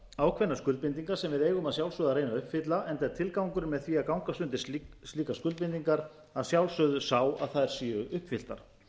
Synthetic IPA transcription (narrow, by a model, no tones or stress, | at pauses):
aːwkʰvɛnːaskʏlt̪pɪnt̪iŋkaɾ̥sɛmvɪðeːjɣʏmaðsjawlsœːðaɾreːjnaʏhpfɪt̪laʔɛnt̪ɛɾt̪ʰɪlkawŋkʏɾmɛðθviːakawŋkast̪ʏnt̪ɪ̥siːkaskʏlpɪnt̪iŋkaɾ | aðsjawlsœðʏsawa̰ðθaðɛɾ̥siːʏʔʏhpfɪl̥t̪a̰ɾ̥